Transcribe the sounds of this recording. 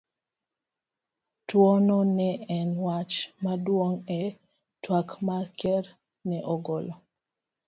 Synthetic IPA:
twɔnɔnɛɛnwat͡ʃmadwoŋɛ | twakmakɛɾ | nɛʔɔɡɔlɔ

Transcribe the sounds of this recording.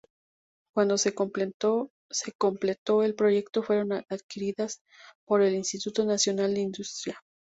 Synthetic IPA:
kwand̪o̞se | seko̞mple̞t̪o̞e̞lpɾo̞ʝe̞kt̪o̞fwe̞ɾo̞naðkiɾiðas | po̞ɾe̞linst̪it̪ut̪o̞nasjo̞nald̪eind̪ust̪ɾja

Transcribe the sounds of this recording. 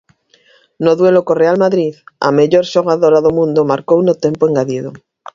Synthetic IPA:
noðwelokorealmaðɾiða̰meʎoɾʃoɣ̞aðoɾaðomũnd̪omaɾkownot̪empoeŋɡaðiðo

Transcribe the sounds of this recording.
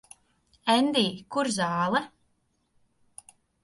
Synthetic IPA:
ɛnd̪iːkuɾzaːlˠɛ

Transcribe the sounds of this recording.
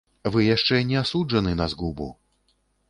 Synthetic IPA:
vɨjaʂt͡ʂɛnʲɛasud͡ʐɐnɨnɐzɡubṵ

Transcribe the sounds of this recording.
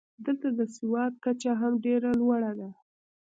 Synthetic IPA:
d̪əlt̪ad̪əsɪwɑd̪̚kat͡ʃaɦamɖeɾalwaɽad̪a

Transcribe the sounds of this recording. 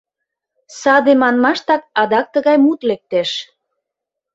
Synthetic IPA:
sɑd̪emɑnmɑʃt̪ɑk̚ɑd̪ɑk̚t̪əɣɑjmut̪lek̚t̪eʃ

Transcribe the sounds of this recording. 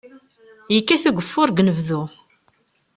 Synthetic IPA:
jəkːæθuɡəfːʊɾˤɡnəvðu

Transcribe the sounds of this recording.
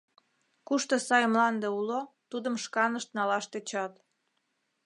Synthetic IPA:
kuʃt̪osɑjmlɑnd̪eulot̪ud̪əmʃkɑnəʃt̪nɑlɑʃt̪et͡ɕɑt̪

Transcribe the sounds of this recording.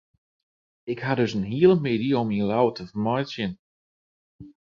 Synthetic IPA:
ɪkhadøsənɦiələmediɔminlawətʰəvəmajsjən

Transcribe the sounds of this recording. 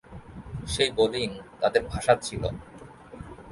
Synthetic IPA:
ʃejboliŋt̪ad̪eɾbʱaʃat̪t͡ɕʰilo̰

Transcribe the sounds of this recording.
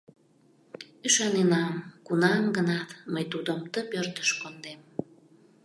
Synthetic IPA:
yʃɑnenɑmkunɑmɡənɑt̪məjt̪ud̪əmt̪əpørt̪ə̥ʃkond̪em

